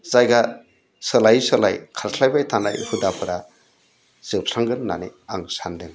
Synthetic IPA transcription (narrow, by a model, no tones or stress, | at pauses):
z̥ajɡa | sɯlajsɯlajkʰaɾsʰlajbajtʰana̰jhɯdapʰɯɾa | zɯp̚saŋɡɯnːa̰niaŋsandɯn